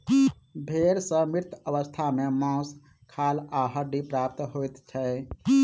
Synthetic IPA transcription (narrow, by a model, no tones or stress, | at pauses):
bʱeɾsə̃miɾt̪ʰəβəst̪ʰamemãs | kʰalaɦəɖipɾap̚t̪ɦojt̪t͡ʃʰɛ